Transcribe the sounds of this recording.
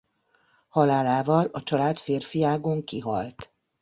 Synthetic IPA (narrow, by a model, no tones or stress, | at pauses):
hɒlaːlaːvɒlɒt͡ʃɒlaːt̪feːrfijaːɡoŋkiɦɒ̰lt̪